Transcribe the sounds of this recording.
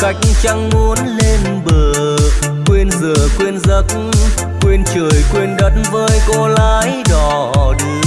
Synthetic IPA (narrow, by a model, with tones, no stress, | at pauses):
ka˧˩jk̟̚ŋt͡ɕa˧ŋmu˨˦ənle˧n | ɓəː˨˩˨ | kwi˧ənzəː˨˩kwi˧ənzə˨˦˥t̚ | kwi˧ənt͡ɕə˨˩jkwi˧ənɗə˨˦˥t̚nvəː˧˦jɣo˧laː˨˧˦jɗɔ˨˩ | ɗɨ˧˩